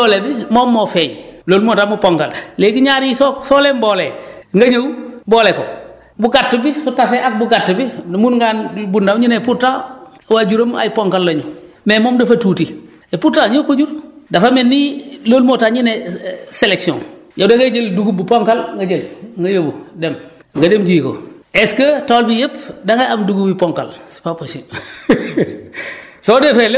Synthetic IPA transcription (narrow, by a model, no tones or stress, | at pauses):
olebimoːmːofeːɲlolmotaːmupoŋkallekiɲaɾisosoːlemboːleŋɡaɲawboːleko | buɡatːubisutaseʔak̚buɡatːubinmunŋɡaːnbundaɲineputːa | wad͡ʒuɾoma̰jipoŋkalːoɲu | memoːmdafatuːti | eputːaɲokod͡ʒuɾdafamenːilolmotaɲineseleksiɔ̰nd͡ʒadeŋɡed͡ʒelduɡubupoŋkalŋɡad͡ʒelŋɡajabudem | ŋɡademtijiko̰ | eskətolbijepdaŋaamduɡubipoŋka̰lsi̥papːosi | sodefele